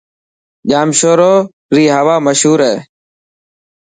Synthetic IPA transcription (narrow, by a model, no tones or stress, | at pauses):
ʄaːmʃoːɾoː | ɾiːɦəʋaːməʃɦuːɾɛː